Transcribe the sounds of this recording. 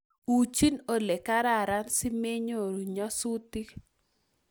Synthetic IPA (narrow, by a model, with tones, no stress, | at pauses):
u˨t͡ʃi˦no˦le˨ka˦ɾa˦˨ɾa˦nsi˦me˦ɲo˨ɾu˨ɲɔ˦su˦t̪i˦